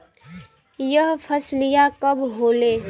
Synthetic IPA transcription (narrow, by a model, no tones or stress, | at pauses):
jəɦpʰəslɪjakəbɦoːleː